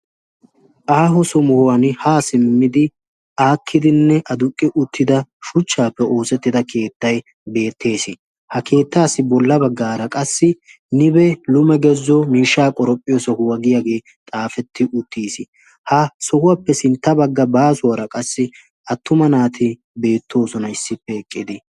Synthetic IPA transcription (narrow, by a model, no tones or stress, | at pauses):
ʔaːɦɔsɔmʊhʊwɐnhaːsɪmːɪd̪ɪ | aːkʰːɪd̪ɪnːɛʔɐd̪ʊkʼːɪʔʊt̪ʰːɪd̪ɐʃʊt͡ʃːaːpːɛʔo̞ːsɛt̪ːɪd̪ɐkʰe̞ːt̪ːɐj | be̞ːt̪ʰːe̞ːsɪ | hɐke̞ːt̪ːaːsɪbɔlːɐbɐɡːaːɾɐkʼɐsːɪ | nɪbɛlʊmɛɡɛzːɔmiːʃːaːkʼɔɾɔpʼːɪjɔsɔhʊwɐɡɪjaɡe̞ː | t̪ʼaːfɛt̪ːɪʔʊt̪ːiːsɪ | hɐsɔhʊwaːpːɛsɪnt̪ːɐbɐɡːɐbaːsʊwɐɾɐkʼɐsːɪ | ɐt̪ːʊmɐnaːt̪ʰɪ | be̞ːt̪ːo̞ːsɔnɐɪsːɪpːɛɛkʼːɪd̪ɪ